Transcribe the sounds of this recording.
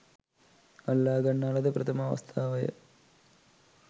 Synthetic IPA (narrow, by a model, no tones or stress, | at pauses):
ɐlːaːɡɐɳːaːɭɐðɨprɐt̪ʰɐmaːʋɐ̰st̪ʰaːʋɐjɐ̰